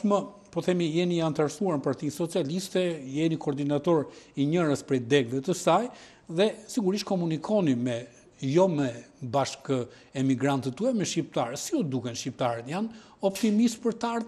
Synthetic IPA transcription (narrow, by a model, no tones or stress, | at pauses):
mə | pɔθɛmijɛniant̪aɾsuaɾnpaɾt̪insɔt͡sialist̪ɛjɛnikɔːɾd̪inat̪ɔɾiɲəɾəspɾɛjd̪ɛɡvɛt̪əsaj | ðɛsiɡuɾiʃkɔmunikʰɔnimɛ | jɔmɛ | baʃkə | ɛmiɡɾant̪ət̪uɛmɛʃcip̚t̪aɾɛsiɔd̪ukɛnʃcip̚t̪aɾɛt̪jan | ɔpt̪imispəɾt̪aɾð